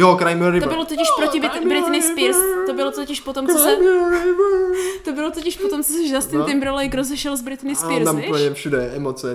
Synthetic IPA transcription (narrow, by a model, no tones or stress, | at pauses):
jokɾajmɾɪt̪obɪlot̪ocɪʃpɾotɪɪbɾɪt̪ɪnɪsɪɾst̪obɪlot̪ocɪʃpot̪omt͡sosɛ | t̪obɪlot̪ocɪʃpot̪omt͡sosɛʒzast̪ɪnɪmbɾolɛjɡɾozɛʃɛlzbɾɪt̪ɪnɪspɪɾst̪amuppl̩ɲɛfʃudɛʔɛmot͡sɛ